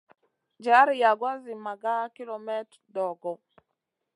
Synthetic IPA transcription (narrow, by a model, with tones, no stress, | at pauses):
d͡ʒa˦ɾja˨ɡwa˦zɪ˨ma˨ɡa˦ki˦lɔ˨mɛ˦t | dɔ˨ɡɔ˨